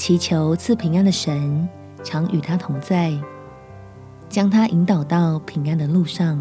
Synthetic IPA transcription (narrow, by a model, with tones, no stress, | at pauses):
t͡ɕʰi˧˥t͡ɕʰjo˧˥ʊt͡s̩ʰ˥˩pʰi˧˥ŋa˥˩nd̪ə˨ʂə˧˦n | ʈ͡ʂʰɑ˧˥ŋʔy˨˩t̪ʰa˦˥t̪ʰʊ˧˥ŋt͡sa˥˩ɪ | t͡ɕjɑ˥ŋt̪ʰa˥ʔi˧˥nt̪ɑ˨˩ʊt̪ɑ˥˩ʊpʰi˧˥ŋa˥˧nd̪ə˨lu˥˧ʂɑ˥˩ŋ